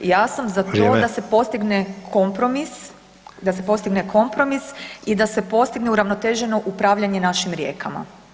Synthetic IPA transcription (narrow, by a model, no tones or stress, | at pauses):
jaːsamzat̪o̞ːd̪ase̞po̞st̪iɡnekʰo̞mpɾo̞mis | d̪asepo̞st̪iɡnekʰo̞mpɾo̞misid̪ase̞po̞st̪iɡneuɾaʋno̞t̪e̞ːʒeno̞ʔupɾaːʋʎaɲenaʃimɾjeːkʰama̰